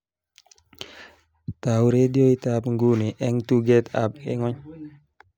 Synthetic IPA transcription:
tawɾedioitapŋɡuniʔɛŋtuɡɛta̰p̚ɛ̰ŋɔɲ

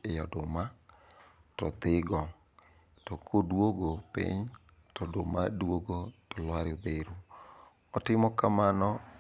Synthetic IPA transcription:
ejɔdʊma | tɔt̪ɪɡɔ | tɔkʰodwoɡopɪ̰ɲ | tɔdomadwoɡotɔlwaɾɪod̪eɾu | ɔtɪmɔkamanɔ

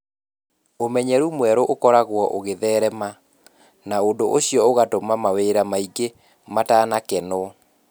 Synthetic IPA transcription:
omɛɲɛɾumwɛɾoʔokɔɾaɣwɔʔoɣeðɛːɾɛma | naondoʔoɕijɔoɣatomamaweɾamaiɡe | mataːnakɛnɔ

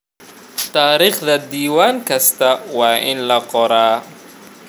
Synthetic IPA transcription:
t̪ʰaːɾiːχd̪ɐd̪iːwaːŋkʰɐst̪ʰɐwɑːʔɪnlɐqɔɾaː

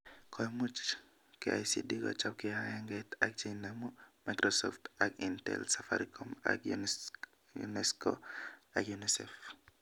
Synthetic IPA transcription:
kʰɔjmut͡ʃ | kɪʔa̰jsḭdikɔ̰t͡ʃapkɪajaŋɡɛtak̚d͡ʒinamumajkɾɔsɔ̰ftakintɛ̰lsafa̰ɾikʰɔma̰k | jṵnɛsko̰akjunisɛf

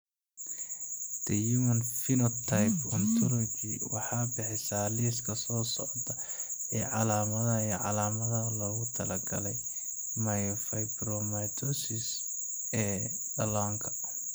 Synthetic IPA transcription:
d̪̥ɛjumɐnfɪnɔt̪ʰːajpʰɔnt̪ʰɔlɔɡɪ̰wɑ̰ħɑːbɪħɪsaliːskʰɐsɔːsɔ̰ʕd̪ɐ | ɛːʕɑlaːmɐðɐɛʕɑ̰laːmɐðɐɦlɔːɣʊt̪ʰɐlɐɡɐ̰lɛj | mɐjɔfɐjbɾɔmajt̪ʰɔsɪs | ɛː | ɖɐlaːŋkʰɐ̥

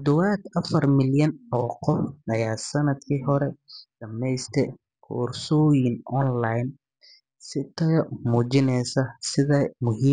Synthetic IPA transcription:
ɔd̪ɔwaːd̪ɐfɐrmɪljɐnɔːqɔfɐjaːsɐnɐd̪kʰiːɦɔɾɛd̥ɐmɛjst̪ʰɛ | kʰṵːrsɔjɪnʔɔnlajn | sɪt̪ʰɐjmuːt͡ʃɪnɛjsɐsɪðɐmʊɦiː

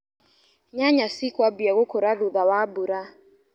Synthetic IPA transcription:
ɲaɲasikwabiaɣʊkɔɾaɾuðawabuɾa

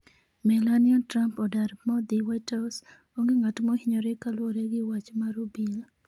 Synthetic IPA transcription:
mɛlaniatɾampɔdaɾmɔd̪iwajtaws | oŋɡeŋatmɔhɪɲɔɾekaloɾeɡɪwat͡ʃmaɾubi

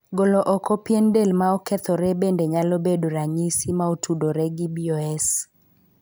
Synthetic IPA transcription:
ɡolɔʔɔkɔpjendelmaɔkɛt̪ɔɾɛbendeɲalɔbedoɾaɲisimaotudoɾɛɡibioɛs

